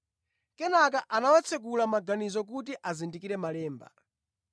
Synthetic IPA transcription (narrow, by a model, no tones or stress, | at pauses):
kɛnak̬aʔanawat͡sʰɛk̬ulamaɡanizɔk̬ut̬iʔazindikiɾɛmalɛːmba̰